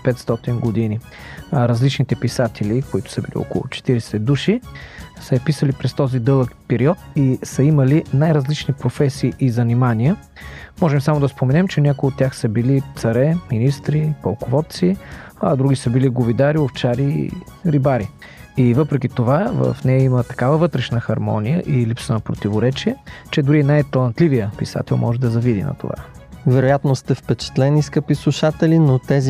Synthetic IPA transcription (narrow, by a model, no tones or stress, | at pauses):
pɛt̪st̪ɔt̪inɡod̪ini | ɾɐzlit͡ʃnit̪ɛpisat̪ʰɛlikoit̪ʊ̥səbilḭɔ̰ko̰lˠʊ̰t͡ʃɛ̥t̪iɾɛsɛd̪uʃisəpisəlipɾɛst̪ɔzid̪ɤlˠəkpɛɾiɔt̪isəimɐlinajɾɐzlit͡ʃnipɾofɛsiːʔizɐnimaniə | mɔʒɛmsamod̪ɐspomɛnɛmt͡ʃɛnʲakʊiot̪ʲːjaxsəbilit̪sɐɾɛminist̪ɾipɐlˠkovɔt̪t̪siɐd̪ɾuɡ̟isəbiliɡovid̪aɾioft͡ʃaɾḭ | ɾibaɾi | ivɤpɾɛk̟ʲit̪ovavə̰fnɛjəimət̪ɐ̥kavəvɤt̪ɾɛʃnəxɐɾmɔ̰nijə̰ʔilipsənɐpɾot̪ivoɾɛt͡ʃiət͡ʃɛd̪ʊɾiɛnajt̪ɐlˠɐnt̪livijəpisa̰t̪ɛ̰lˠmʔɔ̰ʒɛd̪ɐzɐvid̪ḭnɐ̰t̪o̰va̰vɛɾojat̪nost̪ɛfpɛt͡ʃɛ̥t̪lɛniskəpisuʃat̪ɛlinot̪ɛzi